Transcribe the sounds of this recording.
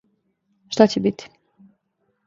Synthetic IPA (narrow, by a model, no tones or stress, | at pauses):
ʃt̪at͡ɕebit̪i̥